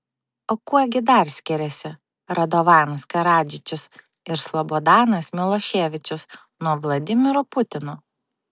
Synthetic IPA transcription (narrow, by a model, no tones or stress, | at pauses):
okuɔɡʲɪd̪ɐɾsʲkʲɪɾʲɛsʲɪ | ɾɐd̪oʋɑːnɐskɐɾɑːd͡ʒʲɪt͡ʃʲʊs | ɪɾslˠɔbod̪ɑːnɐsmʲɪlˠɔʃʲeːʋʲɪt͡ʃʲʊs | nuɔʋlˠɐd̪ʲɪmʲɪɾopʊt̪ʲɪnoː